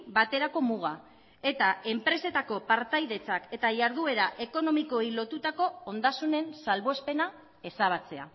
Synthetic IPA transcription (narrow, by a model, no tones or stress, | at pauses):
bat̪e̞ɾako̞muɣ̞a | e̞t̪ae̞mpɾe̞se̞t̪ako̞paɾt̪ajðe̞t͡sake̞t̪aʝaɾðue̞ɾaʔe̞ko̞no̞miko̞jlo̞t̪ut̪ako̞ːnd̪asune̞nsalβo̞espe̞na | e̞saβ̞at͡se̞a̰